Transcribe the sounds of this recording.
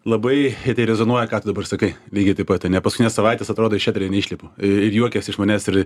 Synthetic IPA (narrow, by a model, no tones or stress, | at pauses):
lˠɐbɐɪt̪ɐɪɾʲɛzonuɔjɛkɑːt̪ʊd̪ɐbɐrsɐkɐɪlʲiːɡʲɪt̪ɐɪpɐt̪ɐnʲɛpɐskʊkʲɪnʲɛsɐʋɐɪt̪ʲesɐt̪ɾoːd̪oːɪʃʲæt̪ʊɾʲɪnʲɛiːʃʲlʲiɛpʊːɪrjuɔkʲɛsʲɪʃmoːnʲæːsɪɾ